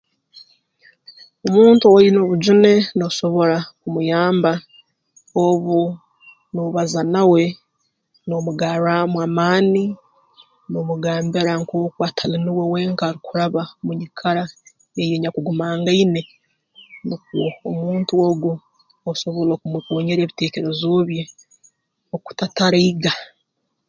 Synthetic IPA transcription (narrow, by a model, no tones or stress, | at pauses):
omuːntuwoino̞βud͡ʒune̞noso̞βo̞ɾakumujaːmba | oβu | noβazanawe̞ | no̞muɡaɾamwaːmaːni | nomuɡaːmbeɾaŋko̞ːkwatʰaliniwe̞we̞ːŋkaɾikuɾaβamuɲikʰaɾa | ejeɲakuɡumaːŋɡaine̞ | nik̚uoomuːntuoɡu | osoβoloːkumikoːɲeɾe̞ːβite̞ːce̞ɾe̞zoβje | oku̥tataɾaiɡa